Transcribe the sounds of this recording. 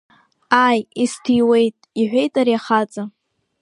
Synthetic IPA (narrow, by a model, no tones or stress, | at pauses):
ajistʰijwe̞jtʼiħʷe̞jtʼaɾiaχat͡sʼa